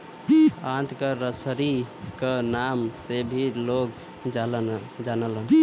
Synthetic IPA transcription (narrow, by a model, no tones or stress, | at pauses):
ãt̪ʰkəɾəsəɾikənamsebʱilok | d͡ʒalənd͡ʒanələn